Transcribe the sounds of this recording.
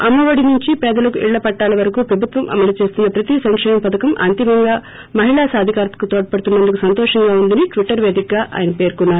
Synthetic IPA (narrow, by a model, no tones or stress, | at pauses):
ɐmːɐʋɐɽinuɲt͡ʃipɛːd̪ɐlɐkuʔḭɭːɐpɐʈːaːlɐʋɐɾɐkuːpɾɐbʱut̪ʋɐmʔɐ̰mɐlut͡ʃe̞ːst̪unːɐpɾɐt̪isɐŋkʂɛːmɐmpɐd̪ɐkɐmʔɐ̰nt̪imɐŋɡaː | mɐɦiɭaːsaːd̪ʱikaːɾt̪ɐ̥kut̪oːʈɐpɐɽt̪unːɐnd̪ukusɐnt̪ɔːʂɐŋɡaːund̪ɐniʈʋiʈːɐɾʋeːd̪ik̚ɡaːʔa̰ːjɐnɐpe̞ːɾkunːaːɾu